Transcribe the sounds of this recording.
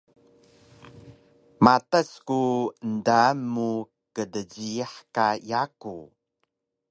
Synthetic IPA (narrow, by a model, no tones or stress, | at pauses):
mataskuəndamːu | kədəɟiaħkajaku